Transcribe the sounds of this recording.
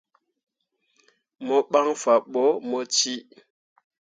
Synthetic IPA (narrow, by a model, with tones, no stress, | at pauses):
mɔ˦ɓa˦ŋfa˨ɓɔ˦mɔ˦t͡ʃi˦